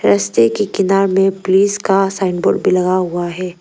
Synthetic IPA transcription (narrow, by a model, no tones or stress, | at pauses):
ɾɐst̪ekekɪnaːɾmẽpʊliːskasaːɪnɖboːɖbʱilɐɣaɦʊaɦɛː